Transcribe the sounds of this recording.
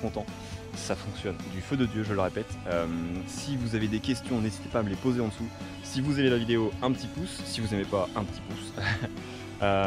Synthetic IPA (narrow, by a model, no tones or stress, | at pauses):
kɔ̃t̪ɑ̃ | safɔ̃ksjɔnd̪yfød̪əd̪jøʒələʁepɛt̪ømsivuzaved̪ekʲɛst̪jɔ̃nezit̪e̥paːməlepozeɑ̃d̪əsu | sivuzemelavid̪eoɛ̃pət̪ipusːivuzemepaɛ̃pə̥t̪i̥pus | ø